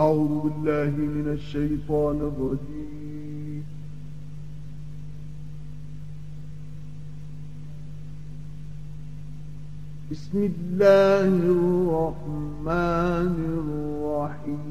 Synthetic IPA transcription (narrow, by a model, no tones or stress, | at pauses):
ʔaʕuːðʊbɪlːaːɦɪmɪnaʃːajt̪ˤɑːnɪrˤːɑd̪iː | m | bɪsmɪlːaːhrːɑħmaːnɪrˤːɑħiː